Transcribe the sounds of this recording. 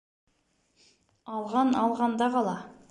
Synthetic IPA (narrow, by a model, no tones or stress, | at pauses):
ɑlˠʁɑnɑlˠʁɑnd̪ɑqɑlˠɑ